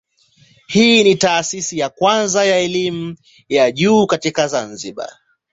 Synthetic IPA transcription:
hiːnitaːsisijakwanzajaɛlimu | jaʄuːkatikazanziɓa̰

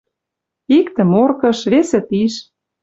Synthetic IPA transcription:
ikt̪ə̆morkɤ̆ʃβesĕt̪iʃ

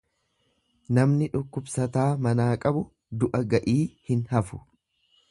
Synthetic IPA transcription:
nɐmnɪᶑʊkːʊbsɐt̪aːmɐnaːkʼɐbʊ | d̪ʊʔɐɡɐʔiːhɪnhɐfʊ̥

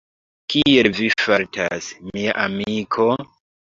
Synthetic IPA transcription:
kielvifaɾta̰smia̰ʔamikʰo

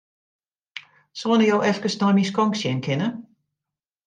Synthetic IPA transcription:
sɔənəjoːʔɛfkəsnɔjmiskɔŋksjɛnkʰɪnə

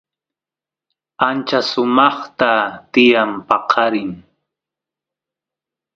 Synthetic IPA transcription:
ant͡ʃasʊmɑχt̪at̪ɪjampɑqʰɑɾɪŋ

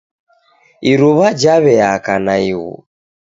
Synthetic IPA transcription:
iɾuβad͡ʒaβɛakanaiɣṵ

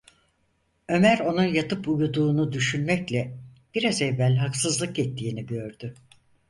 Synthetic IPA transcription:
ø̞mæɾo̞nunjat̪ɯpujud̪uːnud̪yʃynmɛclʲɛb̥iɾazɛvːælʲɦaksɯzlˠɯkɛt̪ʰːiːniɟø̞ɾd̪y

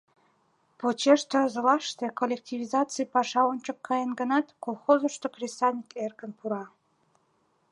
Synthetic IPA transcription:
pot͡ɕeʃt̪ərzə̆lɑʃt̪ekolʲːek̚tʲivʲizɑt͡sɨjpɑʃɑonʲt͡ɕə̆kːɑjənɡə̆nɑt̪kolˠxozoʃt̪okrʲesɑnʲikerkənpuɾɑ

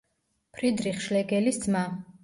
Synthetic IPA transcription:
pʰɾid̪ɾiχʃlɛɡɛlisd̪zma

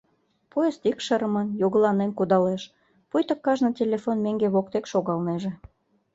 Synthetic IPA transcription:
pojest̪ikʃəɾəmənjoɣəlɑnenkud̪ɑleʃ | pujt̪ə̆kːɑʒnɤ̆tʲelʲefonmeŋɡeβok̚t̪ekʃoɣɑlneʒĕ

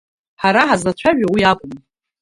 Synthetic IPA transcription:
ħaɾaħazat͡ɕʷʰaʒᶣawiakʷʼʊm

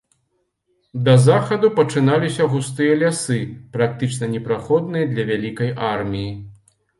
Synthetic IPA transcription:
d̪ɐzaxɐd̪upɐt͡ʂɨnalʲisʲɐɣust̪ɨjɐlʲasɨpɾak̚t̪ɨt͡ʂnɐnʲɛpɾaxɔd̪̚nɨjɐd̪lʲɐvʲalʲikɐjʔarmʲiji

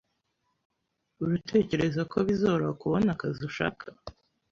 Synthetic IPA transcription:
uɾutʰe̞ːce̞ɾe̞zakʰoβizoːβoɾakuβo̞nakaziuʃa̰ːkʰḁ

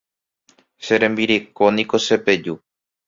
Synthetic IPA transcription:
ʃeɾẽ̞mbiɾekonĩko̞ʃe̞pe̞d͡ʒu

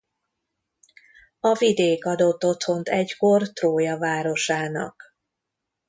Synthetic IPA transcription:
ɒvid̪eːkɒd̪o̞t̪ːo̞t̪ho̞nt̪ɛcko̞rt̪roːjɒvaːɾo̞ʃaːnɒ̰k

